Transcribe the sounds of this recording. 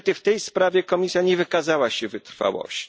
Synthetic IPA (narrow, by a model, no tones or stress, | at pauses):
t̪ɘft̪ɛjspɾavʲjɛkɔmʲisʲjaɲɛvɘkazawaɕɛvɘt̪ɾfa̰wɔ̰ɕt͡ɕ